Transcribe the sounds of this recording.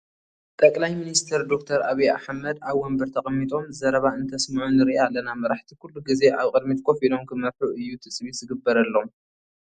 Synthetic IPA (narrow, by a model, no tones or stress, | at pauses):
t̪ʼɐkʼlajminist̪ʰɐɾd̪o̞kt̪ʰɐɾaβijaħmɐd̪aβwɔmbɨɾt̪ʰɐχʼmːit̪ʼo̞mzɐɾɐβaɨnt̪ʰɐsmɐʕunɨɾiʔalːɐnamɐɾaħt̪ʰikʰulːuɡize̞ʔaβkʼɨd̪mit̪kʰo̞filo̞mkʰɨmɐɾħuɨjːut̪ʰɨsʼβiz̥ɨɡɨbːɐɾɐlːom